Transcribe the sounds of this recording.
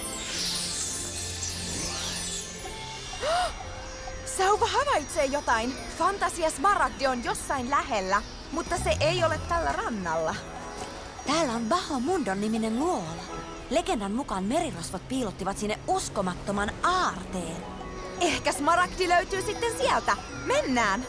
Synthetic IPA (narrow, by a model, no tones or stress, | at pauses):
sɑwkɑɦɑʋɑjt̪seːjot̪ɑin | fɑnt̪ɑsiɑsmɑɾɑkdionjo̞sːɑinlæɦelːæ | mut̪ːɑseʔejolet̪ːælːærɑnːɑlːɑ | t̪æːlːæonpɑhomundonːiminenluolɑ | le̞ɡ̥e̞ndɑnmukɑːnme̞ɾirosʋɑt̪̚piːlot̪ːiʋɑt̪sinːeʔuskomɑt̪ːomɑnɑːrt̪eːn | ehkæsmɑɾɑkdiløyt̪yːsit̪ːensiælt̪æ | menːæːn